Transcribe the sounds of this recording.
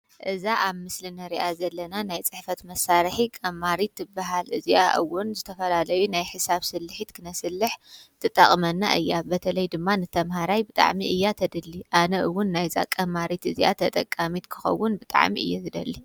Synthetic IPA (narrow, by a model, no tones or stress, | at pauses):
ʔɨzaʔaβmɨslinɐɾiʔazɐlːɐnanajt͡sʼɨħfɐt̪mɐsaɾħikʼɐmːaɾit̪ːɨbaɦalʔɨziʔaʔɨ̰wʊnzɨt̪ʰɐfɐlalɐjunajħɨsaβsɨlːɨħit̪kʰɨnɐsɨlːɨħt̪ʰɨt̪ʼɐ̰χʼmɐnːa̰ʔɨjːabɐt̪ʰɐlɐjd̪ɨmːanɨt̪ʰɐmhaɾajbɨt̪ʼa̰ʕmiʔɨjːat̪ʰɐd̪ɨlːiʔanɐʔɨwːʊnːajza̰kʼɐmaɾit̪ɨziʔa̰t̪ʰɐt̪ʼɐkʼːamit̪kʰɨ̥xɐ̰wːʊnbɨt̪ʼa̰ʕmḭʔɨjːazɨd̪ɐ̰lːi